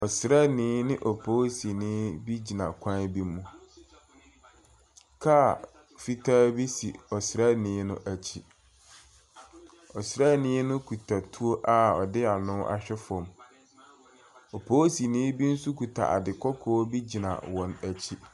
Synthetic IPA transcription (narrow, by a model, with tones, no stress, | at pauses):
ɔ˨sɾa˦nɪ̃˨˦nɪ̃˦ʔɔ˨pʰo˦si˨nɪ̃˦bi˦d͡ʑi˨nã˨kʷʰã˦bi˦mːũ˦ | kʰa˦˨ | fi˦tʰaː˦bi˦si˨ɔ˨sɾa˦nɪ̃˨˦nʊ̃˦ʔæ˨t͡ɕʰi˦ | ɔ˨sɾa˦nɪ̃˨˦nʊ̃˦kʰu˨tʰa˨tʰu˦o˦ʔa˦ɔ̰˨dɪ˦a˨nʊ̃˦ʔa̰˨ɕᶣɛ˦fʊ˨ɔ̃˨m | ɔ˨pʰoː˦si˨nɪ̃˦bi˦n̩˦su˦kʰu˨tʰa̰˨ʔa̰˨dɪ˨kʰɔ˦kʰɔː˨˦bi˦d͡ʑi˨nã̰˨wɔ̃˨næ˨t͡ɕʰi˦